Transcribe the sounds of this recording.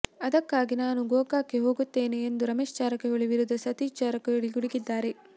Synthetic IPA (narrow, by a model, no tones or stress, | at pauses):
ɐd̪ɐkːaːɡinaːnuɡoːkaːkiɦo̞ːɡut̪ːe̞ːneːnd̪uɾɐmeːʃt͡ʃaːɾɐkːeoɭiʋiɾud̪ːɐsɐt̪iːt͡ʃaːɾɐkːeoɭiɡuɽiɡid̪ːaːɾe